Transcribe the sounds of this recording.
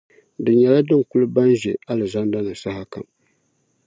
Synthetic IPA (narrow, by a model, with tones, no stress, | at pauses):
dɨ˨ɲɛ˨la˦dɨ˦ŋ˨ku˦lɨ˦ba˦n˦ʒɛ˨a˦lɨ˨za˦n˦da˦nɨ˨sa˦ha˦ka̰˨m